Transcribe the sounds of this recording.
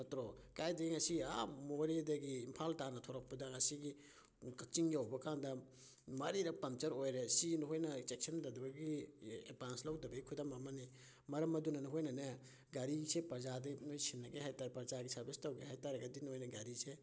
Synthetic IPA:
ɐtɾokajdɐɡiŋɐsia̰moɾedɐɡiːmpʰaltanɐtʰɔɾɐk̚pɐdɐŋɐsiɡi | kɐk̚t͡ʃiŋjawbɐkaŋdɐ | mɐɾiɾɐpɐmt͡ʃɐɾojɾesinɦojnɐt͡ʃek̚sɐndɐdɐbɐɡiḛpanslawdɐbɐikʰudamɐmɐni | mɐɾɐmɐdunɐnɐɦojnɐnɐ | ɡaɾisepɐɾzadɐnojsinːɐɡeɦajtaɾepɐɾzaɡisɐɾbistawɡeɦajtaɾɐɡɐdinhojnɐɡaɾise

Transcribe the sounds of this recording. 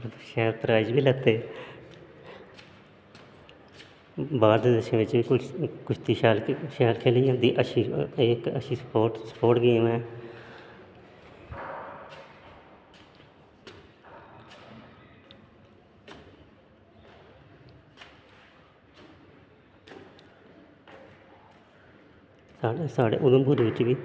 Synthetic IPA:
ʃɛːɾt̪əɾaːd͡ʒbiːlət̪eː | baːd̪d̪əʃẽʋɪt͡ʃiːkʊkʊt͡ʃʰt̪iːʃaːlʃaːlkʰeːliːãːd̪iːʔəʃieːkəʃiːspoːʈsə̥poːʈɡəiːmɛ̃ː | saːesaːɖḛːʔʊɡəmbuɾʋɪt͡ʃʋiː

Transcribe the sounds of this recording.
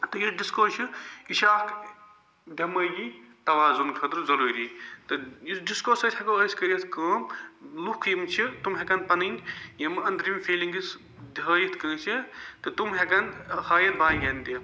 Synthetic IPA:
t̪ɨjiɖiskoːt͡ʃʰiiʃaːk | d̪ʲɐmɐjit̪ɐʋaːzunkʰɐd̪ɾzɐɾuːɾiːt̪ɨjɖiskoːsɐt̪hɐkoəskɐɾiɐt̪ʰkɐːmlukʰjimt͡ʃʰit̪umɦɛkɐnpɐnɨŋɡʲjɐmɨɐnd̪ɾimfiːliŋɡis | d̪ɦəːjit̪ʰkə̃ːt͡ʃʰit̪ɨt̪umɦɛkɐnhɐːjɐnbaːjɡʲɐnt̪i

